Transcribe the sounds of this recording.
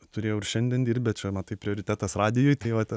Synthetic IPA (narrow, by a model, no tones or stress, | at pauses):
t̪ʊɾʲeːjɛʊɪrʃʲɛnʲd̪ʲɛnd̪ʲiːrʲt̚ʲbʲɛt͡ʃʲɛmɐt̪ɐɪpʲɾʲɪoːɾʲɪt̪ʲæːt̪ɐsrɑːd̪ʲɪjʊːjt̪ɐɪʋɐt̪